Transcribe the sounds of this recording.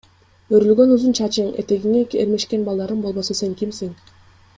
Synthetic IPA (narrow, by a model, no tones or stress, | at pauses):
øɾylɡønuzunt͡ʃʰɑt͡ʃɯŋḛt̪e̞ɡiŋekeɾme̞ʃke̞nbɑlˠd̪ɑɾɯmbo̞lˠbo̞sɯse̞ŋkimsiŋ